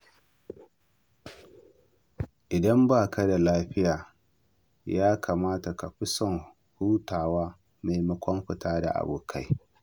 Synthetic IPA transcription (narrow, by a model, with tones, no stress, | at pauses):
ʔɪ˨dɐ˦mbaː˦˨kɐ˦da˨laː˦ɸɪ˦jaː˨ | jaː˦kʰa˨maː˦ta˨ka˨ɸɪ˦sɔ˦˨n | huː˦taː˨waː˦ | ma˨jmɐ˦kʷɔ˦mɸɪ˨taː˦da̰˨ʔa̰˨buː˨kʰa˦j